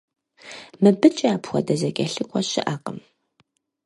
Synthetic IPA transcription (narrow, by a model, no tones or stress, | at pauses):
mɨbɨt͡ʃʼɐaːpʰxʷɔ̰dɐzɐkʲʼɐɬɨkʷʼɔɕɪ̰ʔaqʼəm